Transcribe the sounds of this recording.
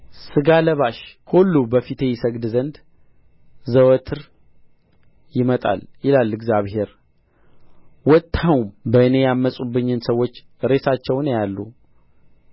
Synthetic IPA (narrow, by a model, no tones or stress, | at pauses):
sɨɡaləβaʃkʰolːubəfit̪ʰe̞jɪsəɡd̪zənd̪ | zəwət̪ʰɨɾ | jɪmət̪ʼa̰ljɪlalːɨɡzaβɦe̞ɾ | wɔt̪ʰːawumbəɨne̞jamːəsʼubːɨɲːɪnsəwːo̞t͡ʃː | ɾe̞sat͡ʃːɛwnjalːu